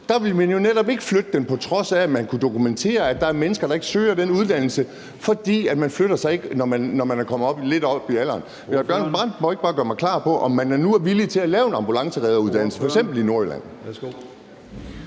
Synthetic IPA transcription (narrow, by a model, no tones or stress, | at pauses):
d̥ɑ̈ʋe̝lmænjo̝neɾ̥ɒ̽b̥e̝ɡ̥əflød̥əd̥enpʰɒ̽t͡sʰʁɒ̽sæmænkʰud̥o̝kument͡sʰe̝̰ːɐæd̥ɑ̈æɐmenəsɡ̥ɐɾ̥ɑ̈e̝ɡ̥əsøːɐdenuð̞ˠd̥æn̰l̩sə | fɒ̽d̥ḭːæd̥mænfløɾ̥ɐsɑ̈ɪe̝ɡ̥ənɒmænːɒmænækʰɒ̽mð̩ˠɒ̽b̥le̝d̥ɒ̽b̥iælɐːn | menb̥jɶɐnb̥ʁɑ̰n̰d̥mɒe̝ɡ̥b̥ɑ̈ːɡ̥ɶɐmɑ̈ɪkʰlɑ̰̈ːpʰɒ̽ʔɒ̽mːænæɐnuæɐʋilit͡sʰe̝lælɛːʊe̝nɑ̈mb̥ulɑ̈ŋsəʁɛːð̞ˠɐuð̞ˠd̥æn̰l̩sə̥fɒeɡɡsemb̥l̩ino̝ɐelæ̰n̰